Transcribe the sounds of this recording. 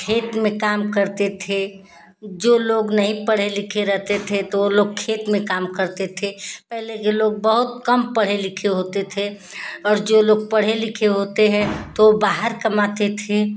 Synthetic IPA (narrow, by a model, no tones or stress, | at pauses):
kʰeːt̪mẽkaːmkəɾt̪et̪ʰe | d͡ʒoloːɡnəɦĩpəɽ̤elɪkʰeɾəɦt̪et̪ʰet̪ooloːɡ̚kʰeːt̪mẽkaːmkəɾt̪et̪ʰepɛɦlekeloːɡ̚bəɦʊt̪̚kəmpəɽ̤elɪkʰeɦoːt̪et̪ʰe | ɔːɾd͡ʒoloːɡ̚pəɽ̤elɪkʰeɦoːt̪eɦɛ̃t̪oobaːɦəɾkəmaːt̪et̪ʰe